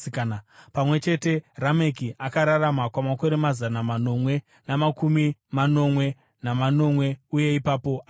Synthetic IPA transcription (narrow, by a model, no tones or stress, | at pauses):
kːnpamwe̞t͡ʃe̞te̞rame̞kiʔakaɾaramakwamako̞ɾe̞mazanamano̞mwe̞ | namakumimano̞mwe̞ | namano̞mwe̞uje̞ipaːpo̞ʔa